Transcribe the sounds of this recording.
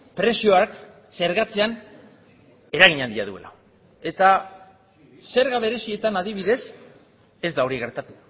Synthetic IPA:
pɾe̞sio̞ak | se̞ɾɣat͡se̞an | e̞ɾaɣ̞iɲand̪iaðue̞̰la̰ | e̞t̪a | se̞ɾɣaβ̞e̞ɾe̞sie̞t̪anaðiβ̞iðe̞s | e̞zd̪ao̞ɾiɣ̞e̞ɾt̪at̪u̥

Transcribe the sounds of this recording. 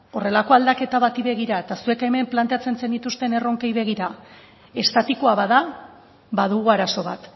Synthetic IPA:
o̞re̞lako̞ald̪ake̞t̪aβat̪iβe̞ɣiɾae̞t̪asue̞ke̞me̞mplant̪eat͡se̞nse̞nd̪it̪ust̪e̞ne̞ro̞ŋkejβe̞ɣ̞iɾa | e̞st̪at̪ikoaβaða | βaðuɣuaɾaso̞βat̪

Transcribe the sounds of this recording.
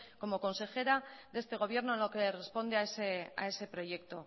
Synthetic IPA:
ko̞mo̞ko̞nse̞xe̞ɾaðe̞st̪e̞ɣ̞o̞βje̞ɾno̞enlokere̞spo̞nd̪eaesea̰e̞se̞pɾo̞ʝe̞kt̪o̞

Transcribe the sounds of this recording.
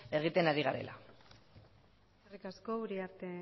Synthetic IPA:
e̞ɣ̞it̪e̞naɾiɣaɾe̞̰lʔa̰ | rikasko̞uɾiaɾt̪e

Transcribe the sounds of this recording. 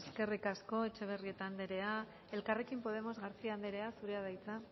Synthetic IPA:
eske̞rikasko̞e̞t͡ʃe̞β̞e̞rie̞t̪aːnd̪e̞ɾe̞a | e̞lkare̞kimpo̞ð̞e̞mo̞zɣaɾt͡siand̪eɾe̞asuɾe̞að̞ajt͡sa

